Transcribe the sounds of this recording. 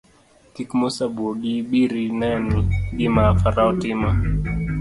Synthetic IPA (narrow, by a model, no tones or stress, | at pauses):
tikmusaboɗiɓiɾinaniɡimafaɾaɔtima